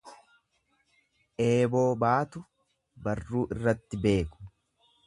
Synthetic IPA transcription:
ʔeːbo̞ːbaːt̪ʊ | bɐrːuːʔɪrːɐt̪ːɪbe̞ːkʊ̥

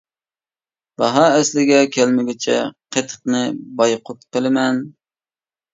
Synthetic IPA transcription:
b̥ɑɦɑɛslɪɡʲɛkʲʰælmɪɡʲɪt͡ʃʰɛqʰet̪ʰə̥qnɨbɑjqʰʊt̪qəlˠɪmɛn

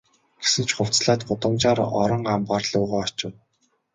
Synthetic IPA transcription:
ɡ̥e̥sɘ̆nt͡ɕʰχʊw̥t͡sɮaːt̪̚ɢʊt̪ə̆mt͡ɕaːɾɔ̰ɾɞ̆ɴɢampaːrɮʊːʁaːɔt͡ɕɪ̆w

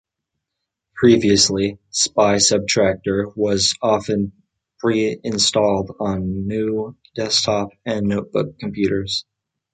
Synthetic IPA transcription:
pʰɹ̥iviɨslispaɪsʌb̚tʰɹ̥æk̚tə˞wʌzɑfɨ̃n | pʰɹ̥iɪ̃nstɔlˠdn̩ːʉd̥ɛstʰɑp̚ɨ̃nːoʊt̚b̥ʊ̰kʰm̩pʰj̥ʉɾə˞z̥

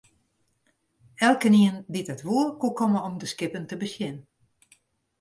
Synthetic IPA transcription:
ɛlˠkəniənditətʋuərkukɔməɔmdəskɪpəntəbəsjɪn

